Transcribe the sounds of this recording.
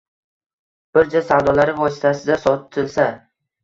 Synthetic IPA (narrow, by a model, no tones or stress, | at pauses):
b̥ɪɾd͡ʒasawd̪ɒlaɾɪvɒsɪ̥t̪ʰasɪd̪asɒt̪ʰːɪlsa